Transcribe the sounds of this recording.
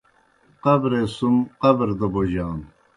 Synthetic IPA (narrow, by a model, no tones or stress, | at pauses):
qɐbɾesumqɐbɾd̪ɐboʑaːn